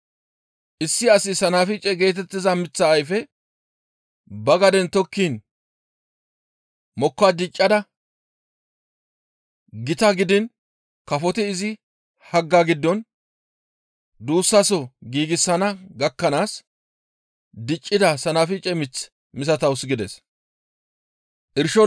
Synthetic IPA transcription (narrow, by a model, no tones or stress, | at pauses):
ʔɪsːɪɐsɪsɐnafɪt͡ʃʼɛɡe̞ːt̪̬ɛt̪ːɪzɐmɪt͡sːɐːjfɛ | bɐɡɐd̪ɛnt̪ɔkːiːn | mɔkːad̪ɪt͡ʃʼːɐd̪ɐ | ɡɪt̪ɐɡɪd̪ɪn | kɐfɔt̪ɪːzɪ | hɐɡːaːɡɪd̪ːɔn | d̪uːsːɐsɔɡiːɡɪsːɐnɐɡɐkːɐnaːs | d̪ɪt͡ʃʼːɪd̪ɐsɐnɐfɪt͡ʃʼɛmɪt͡s | mɪs̬ɐt̪ɐwʊsɡɪd̪ɛs | ʔɪɾʃɔ